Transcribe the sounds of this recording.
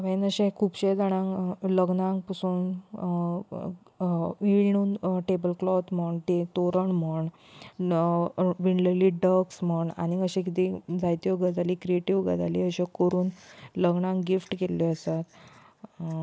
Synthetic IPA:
ʋanəɕẽkʰuːpɕẽd͡zaɽ̃ãŋləɡnãŋɡpəsuːn | ʋiɳ̃uːnʈebəlklɔt̪m̤əɳt̪et̪oɾəɳm̤əɳ | ʋiɳleliɖəksm̤əɳa̰niəɕẽk̬it̪ĩd͡zajt̪joɡəd͡zalikɾieʈiʋɡə̰d͡zaliəɕẽkəɾuːnləɡɳãŋɡifʈkeleəsat̪

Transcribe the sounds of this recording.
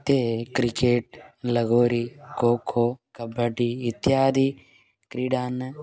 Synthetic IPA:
t̪eːkɾikeːʈ̚lɐɡoːɾikoːkʰoːkɐbʱəʈiːt̪ːjaːd̪iː | kɾiɖaːn

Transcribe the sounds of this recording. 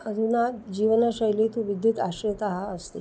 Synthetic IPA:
əd̪ʱunad͡ʑiʋənasəjlit̪ũʋid̪jiːt̪aɕət̪aɦaəst̪i

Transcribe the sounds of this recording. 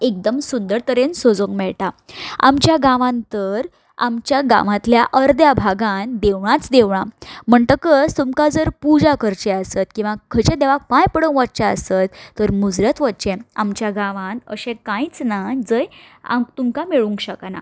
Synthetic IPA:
ek̚d̪əmsund̪əɾt̪əɾensod͡zõŋkmɛɭʈaa̰mt͡ɕjaɡãʋãnt̪əɾ | a̰mt͡ɕjaɡã̰ʋãt̪ljaʔəɾd̪jabʱaɡand̪eʋɳãt͡sd̪eʋɳ̃am̤əɳt̪əkəst̪umkad͡zəɾpud͡zakʰəɾt͡ɕeəsət̪kĩw̃ʋakʰət͡ɕed̪eʋak̚pãjpəɽəŋkʋəʈ̚t͡ɕaə̰sət̪ːəɾmud͡zɾət̪ʋətt͡ɕẽamt͡ɕjaɡãʋãnəɕẽkãit͡snad͡zəj | a̰mt̪umkameɭuŋkɕəkana̰

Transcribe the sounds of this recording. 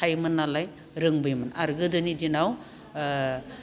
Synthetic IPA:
ajmɯnːalaj | ɾɯŋbɯjmɯnaɾɡɯdɯnidinaw

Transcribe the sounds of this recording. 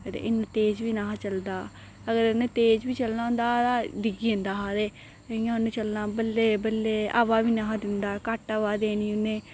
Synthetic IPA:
əd̪ḛʔɪnet̪eːd͡ʒʋiːnaːt͡ʃəld̪aː | əɡəɾɪnẽːt̪eːd͡ʒbiːt͡ʃəlnãːnd̪aːt̪ãd̪ɪɡiːẽnd̪aːɦaːd̪eː | ə̃ãːʊnẽːt͡ʃəlnaːbəlːeːbəlːeːa̰ʋaːʋiːnaɦãd̪ɪnd̪aːkaːʈaʋaːd̪eːniːʊnːẽː

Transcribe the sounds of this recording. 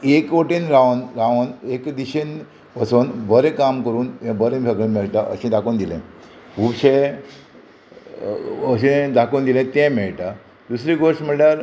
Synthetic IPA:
ekoʈinɾaʋnɾaʋənekd̪iɕen | pəsoːnbəɾẽkamkəɾuːnẽbəɾẽbʱeɡənmeɭʈaʔəɕẽd̪akoːnd̪ilɛ̰̃ | bʱubɕẽ | əɕẽd̪akoːnd̪ilɛ̃t̪ɛ̃mɛɭʈa | d̪usɾiɡoɾʂm̤əɽʈaɾ

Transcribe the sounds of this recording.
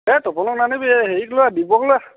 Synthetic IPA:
ɛtɔpɔnɔknanibiɛɦeɹiklɔadibɔɡla

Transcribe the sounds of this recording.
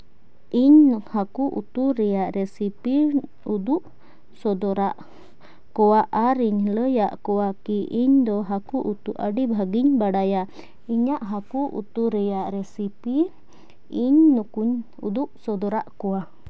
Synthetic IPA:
iɲhakuʔṵt̪uɾɛjaʔɾɛsipi | ud̪uʔ | sɔd̪ɔɾaʔ | kɔwaʔaɾiɲləjaʔkɔwakiʔiɲd̪ɔɦakuʔut̪uʔaɖibʱaɡiɲbaɖaja | iɲaʔɦakuʔṵt̪uɾɛjaʔɾɛsipi | iɲnukuɲ | ṵd̪uʔsɔd̪ɔɾaʔkɔwa

